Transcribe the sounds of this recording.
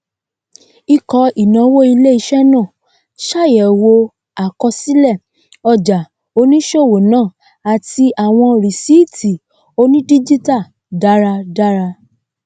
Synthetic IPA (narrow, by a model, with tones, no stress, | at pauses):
i˧kɔ˧i˨nã˨˧wo˦i˧le˦i˧ʃɛ˦nã˦˨ | ʃa˦˨jɛ˨wo˧ | a˨kɔ˧si˦lɛ˦˨ | ɔ˧d͡ʒa˨ | o˧nĩ˦ʃo˦˨wo˨nãː˦˨ | a˨ti˧ʔa˨w̃ɔ̃˧ɾi˨si˦˨tʰi˨ | o˧nĩ˦di˦d͡ʒi˦ta˦˨ | da˦ɾa˧da˦ɾa˧